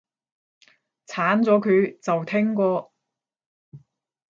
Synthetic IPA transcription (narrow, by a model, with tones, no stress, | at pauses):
t͡sʰaː˨˥nt͡sɔː˨˥kʰɵ˨˧ɥt͡sɐ˨wt̪ʰɪ˥ŋkɔː˧